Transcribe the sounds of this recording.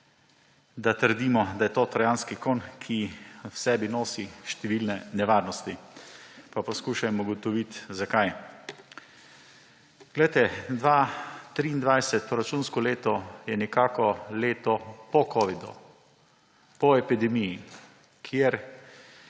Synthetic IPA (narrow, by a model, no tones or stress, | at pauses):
d̪at̪əɾd̪iːmɔd̪ajɛt̪oːt̪ɾajanskikoːnkʰiwsɛːbinoːsiʃt̪ɛʋiːlnɛnɛʋaːɾnɔst̪i | papɔskuːʃamuɡɔt̪ɔʋit̪zakaj | ɡ̥lɛjt̪ɛd̪ʋat̪ɾiːnd̪ʋajsɛt̪̚pɾɔɾat͡ʃuːnskɔleːt̪ɔjɛnɛkaːkɔleːt̪ɔpɔkɔːʋid̪ṵ | pɔɛpid̪ɛmiji | kʰjeɾ